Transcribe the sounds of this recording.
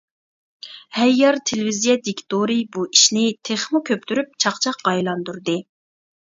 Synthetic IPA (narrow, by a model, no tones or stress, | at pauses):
hɛjːɑɾt̪ʰelɪvizijɛd̪ikʲt̪oɾibuiʃnɪt̪ʰeχmukʲʰøp̚t̪ʰyɾyp̚t͡ʃʰɑqt͡ʃʰɑqːɑjlˠɑnd̪uɾd̪ɨ